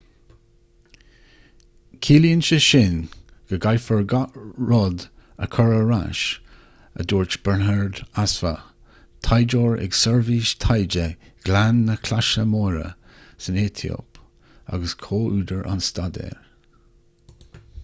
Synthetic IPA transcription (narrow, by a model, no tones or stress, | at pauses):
kʰiːljənʃəʃɪnɡ̥əɡajfəɹɡɹɔd̪əkʰɔɹəɾa̰ʃ | ə̰d̪uːɹt͡ʃb̥əɹnɛɹd̪asfa | t̪ʰajd͡ʒoːɹɛ̰ɡsɛɹviːʃt̪ʰajd͡ʒəɡ̥lanːəkʰlaʃəmoːɾə̰ | səneːt̪ʰio̰p | a̰ɡəskʰoːʔʉːd̪əɹʔa̰nst̪ad̪ɛ̰ːɹ